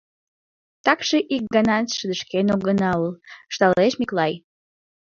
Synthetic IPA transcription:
t̪ɑkʃeʔik̚ɡɑnɑt̪ʃəd̪əʃkenoɡənɑulʃt̪ɑleʃmiklɑj

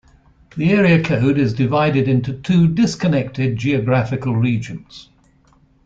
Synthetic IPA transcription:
ðiɛːɹiəkʰəʊdɪzdɪvaɪɾɪdɪ̃ntutʰʉːdɪskənɛk̚tɪd̚d͡ʒiəɡɹafɪkəlˠɹiːd͡ʒə̃nz̥

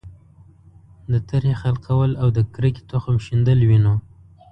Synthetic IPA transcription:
d̪ət̪aɾhexalqʰawəlawd̪əkɾəki̥t̪oxamʃind̪əlwino

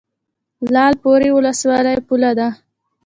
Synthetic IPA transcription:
lɑlpoɾewʊləswɑləjpulad̪a

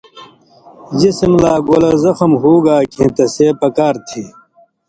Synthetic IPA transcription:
d͡ʑismlaːɡoːlɐzɐxɐmɦoːɡaːkʰẽːt̪ɐseːpɐkaːɾt̪ʰeː

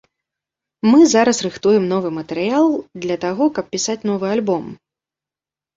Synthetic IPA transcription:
mɨzaɾɐsrɨxt̪ujɛmnɔvɨmɐt̪ɛɾɨjalˠd̪lʲɐt̪aɣɔkɐp̚pʲisat͡sʲn̪ɔvɨalʲbɔm

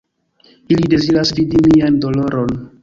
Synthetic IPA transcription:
ilide̞ziɾasvidimiando̞lo̞ɾo̞n

